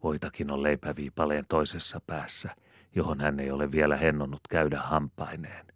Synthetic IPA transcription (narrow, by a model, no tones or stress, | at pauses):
ʋoit̪ɑkinolleipæʋiːpɑleːnt̪oisesːɑpæːsːæ | johonhænːeijoleʋʋielæhenːonːut̪kæydæhhɑmpːˑɑineːn